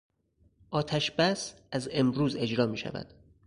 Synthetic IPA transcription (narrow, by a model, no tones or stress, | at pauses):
ʔɒːt̪ʰæʃb̥æs | æze̞mɾuːze̞d͡ʒɾɒːmiːʃæ̰væ̰d̪̥